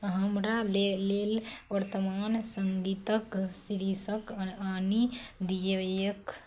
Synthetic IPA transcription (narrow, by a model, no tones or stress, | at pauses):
ɦəmɾalelelʋəɾt̪əmaːnsəŋɡit̪əksiɾisəkəanid̪ijəjək